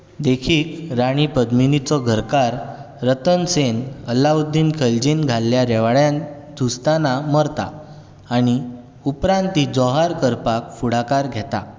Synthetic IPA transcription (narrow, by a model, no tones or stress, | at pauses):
d̪ekʰiːkɾaɽ̃ipəd̪minit͡sɔɡʱəɾkaɾː | ət̪ənsenəlaud̪inkʰəld͡ʑinɡʱalːjaɾɛʋaɭjãn | d̪ʱust̪anaməɾt̪a̰ː | ɽ̃i | upɾãnt̪id͡zɔɦaɾkəɾpak̚fuɽakaɾɡʱɛt̪a̰